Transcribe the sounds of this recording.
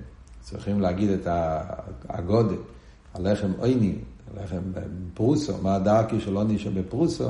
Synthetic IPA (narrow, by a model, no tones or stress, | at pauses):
t͡sḭχimlɪaɡidɛta | a̰ɡɔdɛ | alɛχɛmoɪnialɛ̰χɛm̰pʁusɔ̰maːdaʁkiʃɛlˠoniʃɛbɪpʁusɔ̰